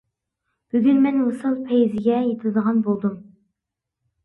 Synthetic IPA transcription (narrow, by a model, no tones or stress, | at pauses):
b̥yɡʲynmɛnwusɨlˠpʰɛjizɪɡʲɛjet̪ʰɨld̪əʁɑnbolˠd̪um